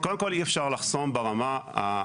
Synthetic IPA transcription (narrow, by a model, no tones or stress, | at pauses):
koldemkoliefʃaʁlaχso̞mbeʁamaa̰